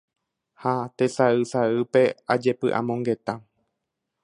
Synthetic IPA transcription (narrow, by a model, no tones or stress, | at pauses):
hat̪e̞saɨsaɨpe̞ad͡ʒe̞pɨʔã̰mõ̞ŋɡe̞t̪a